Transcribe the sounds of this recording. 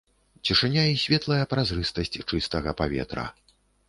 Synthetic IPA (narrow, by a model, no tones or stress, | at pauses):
t͡sʲiʂɨnʲaisʲvʲɛt̪lˠɐjɐpɾazɾɨst̪ɐsʲt͡sʲt͡ʂɨst̪ɐɣɐpavʲɛ̰t̪ɾɐ̰